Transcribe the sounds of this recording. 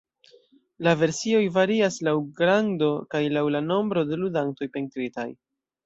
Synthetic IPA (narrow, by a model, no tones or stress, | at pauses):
lave̞ɾsio̞jvaɾiaslawɡɾando̞kajlawlano̞mbɾo̞de̞ludanto̞jpe̞ntɾita̰j